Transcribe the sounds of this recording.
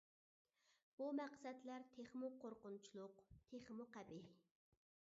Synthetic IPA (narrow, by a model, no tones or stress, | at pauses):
b̥umæqsɛd̪læɾt̪ʰeχmuqʰoɾqʊnt͡ʃʰilˠʊqt̪ʰeχmuqæbi